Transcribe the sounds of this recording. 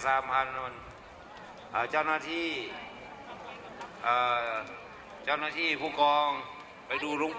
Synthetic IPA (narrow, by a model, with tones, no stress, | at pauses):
saː˨˦mpʰa˧n˧a˧n | ʔaː˧˩t͡ɕa˥˩wnaː˥˩t̪ʰiː˥˩ | ʔaː˧˩ | t͡ɕa˥˩wnaː˧t̪ʰiː˥˩pʰuː˧˥˩kɔː˧ŋ | pa˧jduː˧ɾo˧˥˨ŋp